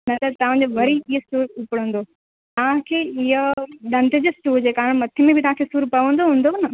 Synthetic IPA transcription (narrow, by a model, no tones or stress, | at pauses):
nɐt̪ɐt̪ɐʋ̤ãːd͡ʑoʋɐɾiiɦsuːɾʊpəɽ̤̃ə̃ːnd̪oː | t̪ɐʋ̤ãkʰeːɪɦəɗɐ̃nd̪ɪd͡ʑosʈuːd͡ʑeːkaːɾəɽ̃mɐt̪ʰɪmẽbʱɪt̪ɐʋ̤ãːkʰeːsuːɾpɐʋə̃nd̪oɦũːnd̪onɐ